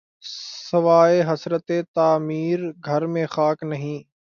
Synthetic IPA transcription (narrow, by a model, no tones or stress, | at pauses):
səʋaːeːɦəsɾət̪eːt̪aːmiːɾɡʱəɾmẽːxaːknəɦĩː